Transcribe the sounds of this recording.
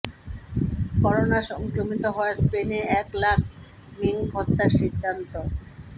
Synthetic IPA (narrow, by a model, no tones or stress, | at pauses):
kɔɾonaʃɔŋkɾomit̪oɦɔespeneɛklak̚ʰ | miŋɡʱɔt̪ːaɾʃid̪ʱːant̪o